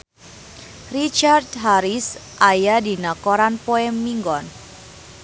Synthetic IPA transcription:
rit͡ʃard̪ɦaɾisʔajadi̤nakɔɾanpoɛmːiŋɡɔn

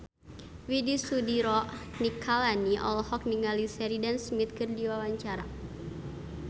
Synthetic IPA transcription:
widisudiɾɔʔnikʰalaniʔɔ̰lhɔk̚niŋalisɛɾidansmit̪̚kɨrdiwawaɲt͡ʃaɾa

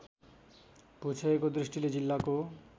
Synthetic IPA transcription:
put͡ɕʰeekod̪ɾiʃʈiled͡ʑilːako

